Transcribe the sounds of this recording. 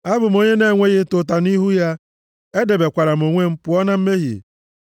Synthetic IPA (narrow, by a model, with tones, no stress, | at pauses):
a˦bʊ˨m̩˦o˦ɲe˦ne˦˨ŋʷe˦ɣɪ˦tʊ˨ta˨ni˦ɦu˦ja˦ | e˦de˨be˨kʷa˨ɾa˨m̩˨o˨ŋʷe˦m̩˦pʊ˨˦ɔ˦na˦m̩˦me˦ɦḭ˨